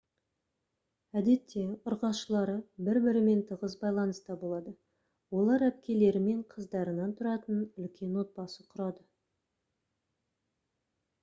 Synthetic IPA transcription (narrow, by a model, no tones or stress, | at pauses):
æd̪e̞t̪ʰːe̞ʊɾʁɑʃəlˠɑɾəbɪɾbɪɾɪme̞nt̪ʰəʁəzbɑjlˠɑnəst̪ɑbolˠɑd̪ə | wo̞lˠɑɾæp̚kʲe̞le̞ɾɪme̞ɴqʰəzd̪ɑɾənɑnt̪ʰʊɾɑt̪ənʏlkʲʰe̞nwo̞t̪̚bɑsəqʰʊɾɑd̪ə